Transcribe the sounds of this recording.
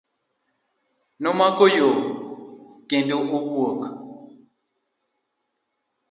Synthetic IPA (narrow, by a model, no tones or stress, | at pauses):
nomakojo | kendoʔuwwɔka